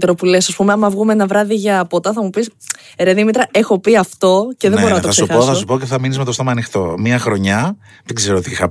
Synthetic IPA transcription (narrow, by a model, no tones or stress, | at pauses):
t̪eɾopulesɐspumeɐmɐvɣumeenɐvɾɐðiʝɐpot̪ɐθɐmupis | eɾeðimit̪ɾɐʔe̞xo̞piɐft̪o̞ce̞ðebo̞ɾonɐt̪oɐseuoθɐssupocefθɐminizmet̪ost̪omɐːnixt̪o̞̰miɐxɾo̞ɲɐ | ðeɡze̞ɾot̪iixɐ